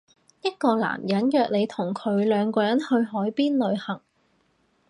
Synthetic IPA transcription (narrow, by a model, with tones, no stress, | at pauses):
jɐ˥t̚kɔː˧la̰ː˨˩mjɐ˨˥njœː˨k̚le˨˧jt̪ʰʊ˨˩ŋkʰɵ˨˧ɥlœː˨˧ŋkɔː˧jɐ˨˥nhɵ˧ɥɦɔː˨˥jpiː˥nlɵ˨˧ɥhɐ˨˩ŋ